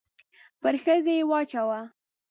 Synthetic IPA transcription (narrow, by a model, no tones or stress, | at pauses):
pəɾxəzejewɑt͡ʃawa